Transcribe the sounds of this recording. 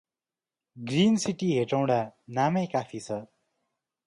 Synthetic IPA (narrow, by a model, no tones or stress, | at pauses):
ɡrinsiʈiɦeʈaw̃ɽanamʌjkapʰit͡sʰʌ